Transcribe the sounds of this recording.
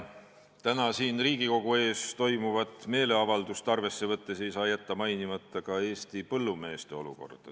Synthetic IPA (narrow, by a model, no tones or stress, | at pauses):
t̪ænɑsiːnriːɡiko̞ɡue̞ːst̪o̞jmuvɑt̪ˑme̞ːle̞ɑvɑld̪ust̪ɑrve̞sːe̞vɤt̪ːe̞se̞jsɑːjæt̪ːɑmɑjnimɑt̪ːɑkɑe̞ːst̪ipɤlːume̞ːst̪e̞o̞lṵko̞̰rd̪̥ɑ